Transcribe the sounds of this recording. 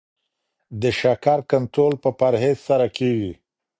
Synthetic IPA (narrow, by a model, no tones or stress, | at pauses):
d̪əʃakaɾkant̪ɾolpəpaɾɦezsaɾakeɡi